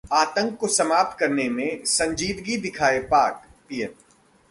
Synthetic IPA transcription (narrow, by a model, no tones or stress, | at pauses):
aːt̪ə̃ŋkːosɐmaːp̚t̪̚kɐɾnemẽsɐ̃ɲd͡ʒiːd̪ɡid̪ɪkʰaːepaːkpiːjən